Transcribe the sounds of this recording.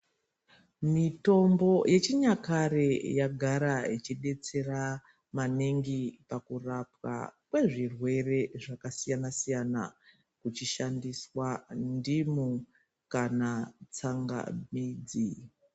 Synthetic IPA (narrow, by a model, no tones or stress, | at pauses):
mito̞mbo̞jʔe̞t͡ʃiɲakarejaɡʱaɾait͡ʃiɗe̞t͡se̞ra | maneŋɡipakurapwa̰kwe̞ʐirwe̞re̞ʐakasijanasijana̰ | kut͡ʃiʃandiswandimu | kanat͡saŋɡa̰miːd͡zi